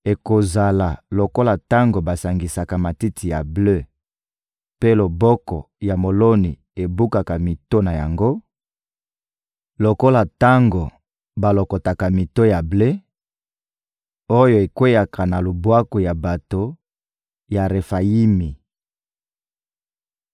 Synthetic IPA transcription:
e˨ko˨za˨la˨lo˨ko˦la˨ta˦ŋɡo˨ba˨sa˨ŋɡi˨sa˨ka˨ma˨ti˦tʰi˨ja˨blø˦ | pe˦lo˨bɔ˦kɔ˨ | ja˨mo˨lo˦ni˨ | e˨bu˦ka˨ka˨mi˨to˦na˨ja˨ŋɡo˦ | lo˨ko˦la˨ta˦ŋɡo˨ | ba˨lo˨ko˨ta˨ka˨mi˨to˦ja˨ble˦ | o˦jo˨e˨kwe˦ja˨kʰa˨na˨lo˨bwa˦ko˨ja˨ba˨to˨ | ja˨ʁe˨fa˨ji˦mi˨

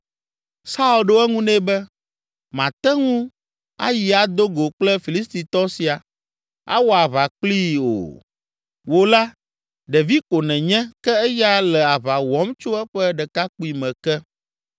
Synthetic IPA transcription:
sa˦u˨lɖo˦ɛ˦ŋũ˦nɛ̃˦bɛ˦ | mã˨t̪ɛ˦ŋũ˦ | a̰˦ji˨a˨d̪o˦ɡo˨k͡plɛ˦fi˨li˦st̪i˨t̪ɔ˦si˨a˨ | a̰˦wo˦a˨βa˨k͡pli˦o̰˨ | wo˨la˦ | ɖɛ˨vi˦ko˨nɛ̃˨ɲɛ̃˦kɛ˦ɛ˦ja˦lɛ˨a˨βa˨wɔ˨˦mt͡ʃo˦ɛ˦ɸɛ˦ɖɛ˨ka˦ku˦i˨mɛ̃˨kɛ˦

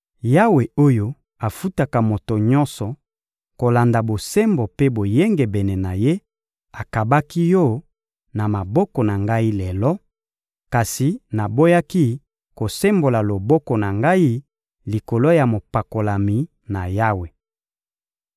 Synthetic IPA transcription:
ja˦we˨o˦jo˦ | a˨fu˦ta˨ka˨mo˨to˨ɲɔ̃˦nsɔ˨ | ko˨la˨nda˨bo˨se˦mbo˨pe˦bo˨je˦ŋɡe˨bɛ˨nɛ˨na˨je˦ | a˨ka˨ba˦ki˦jɔ˦ | na˨ma˨bɔ˦kɔ˨na˨ŋɡa˦i˦lɛ˨lɔ˦ | ka˨si˨na˨bo˦ja˦ki˦ | ko˨se˦mbo˨la˨lo˨bɔ˦kɔ˨na˨ŋɡa˦i˦ | li˨ko˨lo˦ja˨mo˨pa˨ko˨la˨mi˨ | na˨ja˦we˨

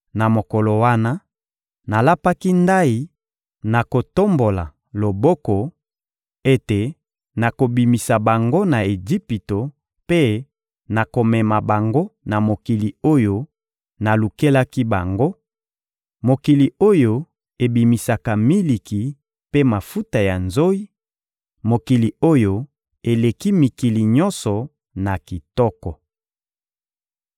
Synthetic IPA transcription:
na˨mo˨ko˨lo˨wa˦na˦ | na˨la˦pa˦ki˦nda˦i˨ | na˨ko˨to˦mbo˨la̰˨ | lo˨bɔ˦kɔ˨ | e˦te˨ | na˨ko˨bi˨mi˨sa˨ba˨ŋɡo˦na˨e˨d͡ʒi˦pi˨to˨ | pe˦ | na˨ko˨mɛ˨ma˨ba˨ŋɡo˦na˨mo˨ki˨li˨o˦jo˦ | na˨lu˨ke˦la˦ki˦ba˨ŋɡo˦ | mo˨ki˨li˨o˦jo˨ | e˨bi˨mi˨sa˨ka˨mi˦li˨ki˨ | pe˦ma˨fu˦ta˨ja˨nzo˦i˦ | mo˨ki˨li˨o˦jo˨ | e˨le˨ki˦mi˨ki˨li˨ɲɔ˦nsɔ˨ | na˨ki˨tɔ˦kɔ˨

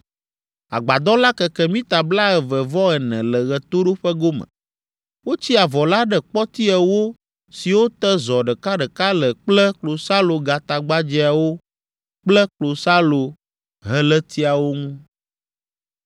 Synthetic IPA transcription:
a̰˨ɡ͡ba˨d̪ɔ̃˦la˦kɛ˨kɛ˦mĩ˦t̪a˨bla˦ɛ˨vɛ˨vɔ˦ɛ˨nɛ̃˨lɛ˨ɣɛ˨t̪o˦ɖo˦ɸɛ˦ɡo˦mə̰̃˨ | wo˦t͡ɕi˦a˨vɔ˨la˦ɖɛ˦k͡pɔ˦t̪i˦ɛ˨wo˦ | si˨wo˦t̪ɛ˦zɔ˨ɖə˨ka˦ɖə˨ka˦lə˨k͡plɛ˦klo˨sa˦lo˨ɡa˨t̪a˨ɡ͡ba˦d͡ʑi˦a˨wo˦ | k͡plə˦klo˨sa˦lo˨ | ɦɛ˦lɛ˦t̪i˦a˨wo˦ŋũ˦

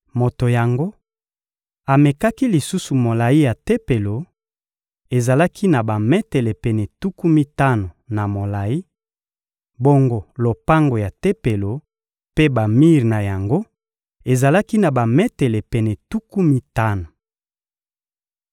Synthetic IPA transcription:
mo˨to˨ja˨ŋɡo˦ | a˨me˨ka˦ki˦li˨su˦su˨mo˨la˨i˦ja˨te˦pe˨lo˨ | e˨za˨la˦kʰi˦na˨ba˨mɛ˦te˨le˨pɛ˨nɛ˨tu˦ku˦mi˦ta˦no˨na˨mo˨la˨ji˦ | bo˦ŋɡo˨lo˨pa˦ŋɡo˨ja˨te˦pe˨lo˨ | pe˦ba˨mi˦ʁi˨na˨ja˨ŋɡo˦ | e˨za˨la˦ki˦na˨ba˨mɛ˦te˨le˨pɛ˨nɛ˨tu˦ku˦mi˦ta˦no˨

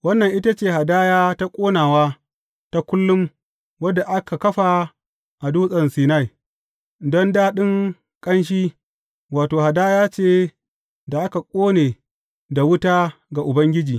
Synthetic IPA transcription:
wɐ˦nːɐ˨ŋʔɪ˦ta˦t͡ʃeː˨ha˨daː˦jaː˦ta˦kʷʼoː˦naː˨waː˦ | ta˦kʷʊ˦lːʊ˦m | wɐ˦da˨ʔa˦ka˨kɐ˦ɸa˨ | ʔa˨duː˦sʼɐ˨nsiː˨na˦j | dɔ˦ndaː˦ɗɪ˦ŋ | kʼɐ˦nʃ̬iː˦ | waː˨toː˨ɦa˨daː˦jaː˦t͡ʃeː˦˨ | da˨ʔa˦ka˨kʷʼoː˦neː˨ | da˨wʊ˦taː˦ɡa˨ʔʊ˨bɐ˦ŋɡʲɪ˦d͡ʒiː˨

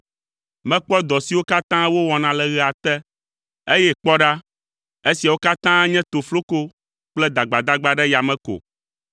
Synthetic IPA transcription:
mɛ̃˦k͡pɔ˦d̪ɔ˨si˨wo˦ka˦t̪ã˦wo˦wɔ˨nã˨lɛ˨ɣɛ˨a˨t̪ɛ˦ | e˦jɛ˦k͡pɔ˦ɖa˦ | e˦si˨a˨wo˦ka˦t̪ã˦ɲɛ̃˦t̪o˨flo˦ko˦ | k͡plɛ˦d̪a˨ɡ͡ba˨d̪a˦ɡ͡ba˦ɖɛ˦ja˨mɛ̃˦ko̰˨

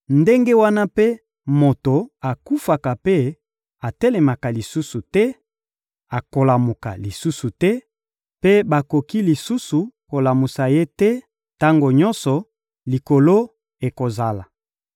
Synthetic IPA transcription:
nde˦ŋɡe˦wa˦na˦pe˦ | mo˨to˨a˨ku˦fa˨ka˨pe˦ | a˨tɛ˦le˨ma˨ka˨li˨su˦su˨tɛ˦ | a˨ko˨la˨mu˨ka̰˨li˨su˦su˨tɛ˦ | pe˦ba˨ko˨ki˦li˨su˦su˨ko˨la˨mu˨sa˨je˦tɛ˦ | ta˦ŋɡo˨ɲɔ˦nsɔ˨ | li˨ko˨lo˦ | e˨ko˨za˨la˨

